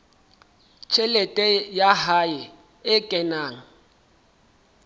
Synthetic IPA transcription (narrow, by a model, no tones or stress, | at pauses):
t͡ʃʰɛlɛtʼɛjahaɪ | ɪkʼɛnaːŋ̩